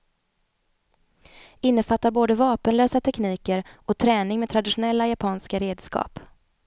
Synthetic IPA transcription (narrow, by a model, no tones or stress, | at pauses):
ɪnːəfat̪ːaɾboːd̪əvɑːpənløːsat̪ʰɛkniːkəɾʔɔt̪ʰɾɛːnɪŋmed̪t̪ʰɾad̪ɪʂʊnɛlːajapʰɑːnskaɾeːd̪skɑ̰ːp